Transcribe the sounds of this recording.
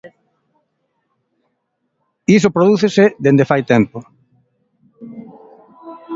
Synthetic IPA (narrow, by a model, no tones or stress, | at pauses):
is̬opɾoðuθeseðend̪efajt̪ɛmpo